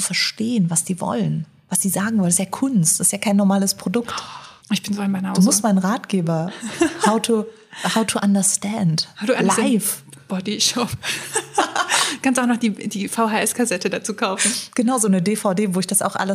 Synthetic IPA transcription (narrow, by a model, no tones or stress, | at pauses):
t͡sufɛɐʃteːənvasd̥iːvɔ̰lən | vasd̥iːzaːɡŋ̩vɔlənstjaːkʰʊnstɪstjaːkʰaɪnːɔɐmaːləspʁ̥odʊkt | ʔɪçb̥ɪnzoaɪnmaɪnhaduːmʊsstmaɪnənʁaːtɡ̥eːbɐhaʊtʰu | haʊtʰuʔandɐstɛndhadualaɪf | b̥ɔdiʃɔp | du̥kʰanstaʊnɔχd̥iːd̥iːfaʊɦaːʔɛskʰazɛtədat͡suːkʰaʊfn̩ɡ̥ənaʊzoːnədeːfaʊdeːvoːɪçd̥asa̰ʊxʔa̰lə